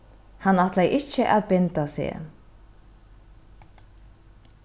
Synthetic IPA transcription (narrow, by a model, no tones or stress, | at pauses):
hanːat̪lɛjʔɪt͡ʃəʔaðpɪnt̪asḛ